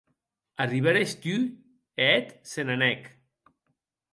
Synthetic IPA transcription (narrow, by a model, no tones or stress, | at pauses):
ariβaɾest̪y | ɛt̪senanɛk